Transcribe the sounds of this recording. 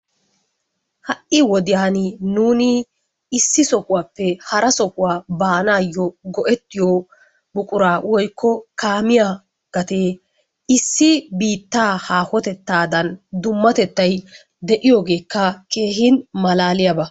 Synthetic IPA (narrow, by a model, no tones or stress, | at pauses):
hɐʔʔɪwɔd̪ɪjaːnɪnuːnɪ | ɪsːɪsɔkʊwaːpːɛhɐɾɐsɔkʊwaːbaːnaːjːɔɡɔʔɛt̪ːɪjoː | bʊkʼʊɾaːwɔjkʰːɔkaːmɪja | ɡ̥ɐt̪eː | ɪsːɪbiːt̪ːaːhaːhɔt̪ɛt̪ːaːd̪ɐnd̪ʊmːɐt̪ɛt̪ːɐj | d̪ɛʔɪjoːɡe̞ːkːɐkʰe̞ːɦɪnmɐlaːlɪjɐbɐ